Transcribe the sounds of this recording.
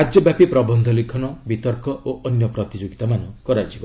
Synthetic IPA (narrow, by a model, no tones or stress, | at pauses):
ad͡ʒjɔbjapipɾɔbɔnd̪ʱɔlikʰɔnɔbit̪ɔɾkɔʔoʔɔnjɔpɾɔt̪id͡ʒoɡit̪amanɔkɔɾajt͡ʃʰibɔ